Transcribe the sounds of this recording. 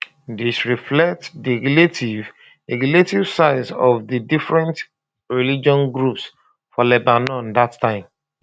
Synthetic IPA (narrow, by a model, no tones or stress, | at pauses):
disɹiflɛk̚tdiɡletiv | ɛɡiletivsaɪzɔvdidifɹɛ̃nt | ɹilid͡ʒɔ̃nɡɹups | fɔlɛbanɔ̃ndatʰːãɪ̃m